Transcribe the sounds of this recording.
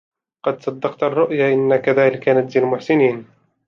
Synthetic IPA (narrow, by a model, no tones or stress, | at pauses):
qɑd̪sˤɑd̪ːɑqt̪arˤːʊʔjaʔɪnːakaðaːlɪkanad͡ʒ̪zalmʊħsɪniːn